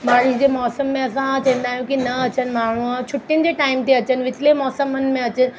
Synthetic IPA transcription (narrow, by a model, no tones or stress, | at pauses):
baːɽɪd͡ʑeːmɔːsəmːẽɐsãt͡ɕɐ̃ɦə̃nd̪aːɦjũkinɐɐt͡ɕənɪ̆maːɳ̤̃uat͡ɕʰʊʈːiənɪ̆d͡ʑeːʈaːɪmt̪ʰeɐt͡ɕənɪ̆ʋɪt̪ʰlemɔːsəmənɪ̆mẽɐt͡ɕənɪ̆